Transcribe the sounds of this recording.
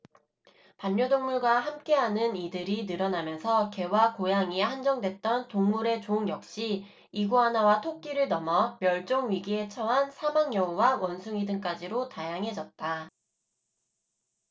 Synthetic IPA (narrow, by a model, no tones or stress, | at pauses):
paɲːodoŋmuɭɡwahamk͈e̞ɦanɯnidɯɾinɯɾʌnamjʌnsʰʌke̞wakojaŋihand͡ʑʌŋdwe̞t̚t͈ʌntoŋmuɾe̞t͡ɕoɯŋjʌk̚ɕ͈iː | ɡuɦanawatʰok̚k͈iɾɯɭnʌmʌmjʌɭt͡ɕ͈oŋɥiɡie̞t͡ɕʰʌɦansʰamaŋjʌuwawʌnsʰuŋidɯŋk͈ad͡ʑiɾotajaŋɦe̞d͡ʑʌt̚t͈a